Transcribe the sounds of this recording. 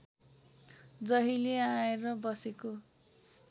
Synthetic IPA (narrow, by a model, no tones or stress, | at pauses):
d͡zʌɦileaeɾʌbʌseko